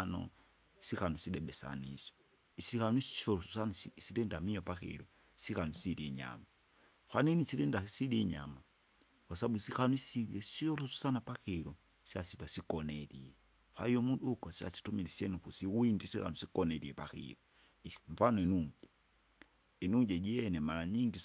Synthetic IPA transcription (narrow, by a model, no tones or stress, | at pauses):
nɔ̰ | sikanɔsiɗɛɓɛsa̰nisɔ̥ | isikanwisi̥ʃɔɾɔsusanssiɾɛndamijɔpaxḭɾɔ | sikanɔsiɾiɲa̰ma | xwaninisiɾɛndasiliɲa̰ma | wasaɓusixanuisiiɛsiɔlɔsu̥sanapaxiɾɔ | siasipasikɔnɛɾḭɛ | xa̰ijɔmundukɔsia̰si̥tumilisiɛnukusiwindisika̰nusikɔnɛɾiɛpaxḭɾɔ | ɱfanɔinuŋɟɛ | inuŋd͡ʒɛd͡ʒiɛnɛmalaɲiŋɡi